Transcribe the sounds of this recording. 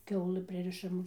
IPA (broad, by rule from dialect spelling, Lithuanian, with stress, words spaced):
ˈkʲɛʊlˠɨ ˈpʲrʲɪrʲɪʃɐm